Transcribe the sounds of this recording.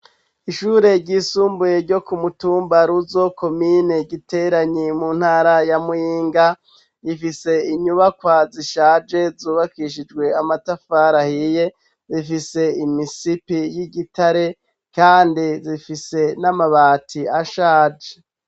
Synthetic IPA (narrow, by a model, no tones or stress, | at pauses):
iʃuːɾe̞ɟiːsuːmbuje̞ɾɟo̞kumutuːmbaɾuzo̞ko̞mineɟite̞ɾaɲimuːn̥haːɾajamujiːŋɡa | jifise̞iɲuβakwaziʃaːd͡ʒe̞zuːβakiʃ̬id͡ʒɡwe̞amatafaːɾahije̞ | zifise̞imisipijiɟitaɾe̞ | kaːndizifise̞namaβaːtʰiaʃaːd͡ʒe̥